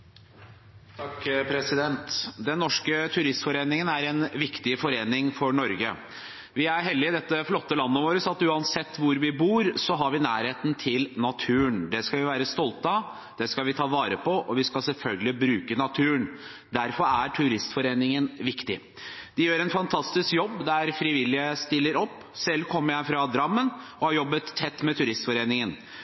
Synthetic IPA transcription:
t̪ʰɑkpʰɾɛsɪd̪ɛnt̪d̪ɛnːɔʂkət̪ʰʉɾɪst̪fɔɾeːnɪŋənæɾɛnʋɪkt̪ɪfɔɾeːnɪŋfɔɳɔɾɡə | ʋɪæɾɦɛlːɪɪd̪ɛt̪ːəflɔt̪ːəlɑnːəʋoːɾəsɑt̪ʉːɑnsɛt̪ːʋʊɾʋɪbuːɾsɔɦɑɾʋɪnæːɾheːt̪n̩t̪ʰɪlnɑt̪ʰʉːəɳd̪ɛskɑʋɪʋæːɾəst̪ɔlt̪ɑ | d̪̥ɛskɑʋɪt̪ʰɑːʋɑːɾəpʰɔʔɔʋɪskɑlsɛlfœlɡəlɪbɾʉːkənɑt̪ʰʉːəɳ | d̪æɾfɔɾæʈʰʉɾɪst̪fɔɾeːnɪŋənʋɪkt̪ɪ | d̪ɪjøːɾɛnfɑnt̪ʰɑst̪ɪskjɔbːd̪ææɾfɾɪʋɪlːɪəst̪ɪlːəɾɔpːsɛlːkʰɔmːəɾjæɪfɾɑd̪ɾɑmːənɔhɑɾjɔbːət̪ʰːɛt̪ːmɛt̪ʰʉɾɪst̪fɔɾeːnɪŋən

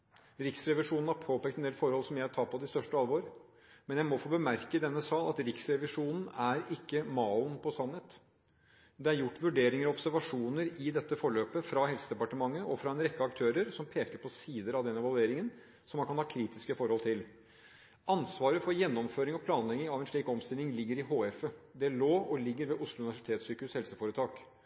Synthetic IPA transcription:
ɾɪksɾɛʋɪʂuːnn̩hɑɾpʰoːpʰeːk̚t̪ɛnd̪eːlfɔɾhɔlsɔmjæɪæʈʰɑːpɔd̪ɪst̪œʂʈəɑlʋoːɾ | mɛnjæɪmɔfoːbəmæɾkəd̪ɛnːəsɑːlɑt̪ɾɪksɾɛʋɪʂuːnn̩æɾɪkːəmɑːʊnpʰɔsɑnheːt̪ | d̪ɛæɾjʊʈːʋʉɖeːɾɪŋəɾɔɔbsæɾʋɑʂuːnəɾɪd̪ɛt̪ːəfɔɭøːpəfɾɑhɛlsəd̪ɛpɑʈəmɑŋːəʔɔfɾɑɛnɾɛkːəɑkt̪ʰøːɾəɾsɔmpʰeːkəɾpʰɔsiːd̪əɾɑʋd̪ɛnːɛʋɑlˠʉeːɾɪŋən | sɔmhɑɑnhɑːkʰɾiːt̪ɪskəfɔɾhɔlt̪ʰɪl | ʔɑnsʋɑːɾəfɔɾjɛnːɔmføːɾɪŋɔpʰlɑːnlɛɡɪŋɑʋɛnʂɭiːkɔmst̪ɪlɪŋlɪɡːəɾɪɦoːɛfəd̪ɛloːʔɔlɪɡːəɾʋeːʔʊslʊʉnɪʋæʂɪ̥t̪ʰeːt̪syːkʉshɛlsəfoːɾət̪ʰɑːk

